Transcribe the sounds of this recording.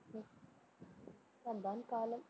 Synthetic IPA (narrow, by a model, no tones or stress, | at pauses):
tɐnd̪aːnkaːlɐm